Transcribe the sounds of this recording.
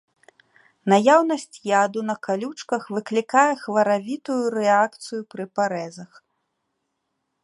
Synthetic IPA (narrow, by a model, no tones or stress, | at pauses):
najawnɐsʲt͡sʲjad̪unɐkalʲut͡ʂkɐxvɨklʲikajɛxvɐɾavʲit̪ujuɾɛakt̪sɨjupɾɨpaɾɛzɐx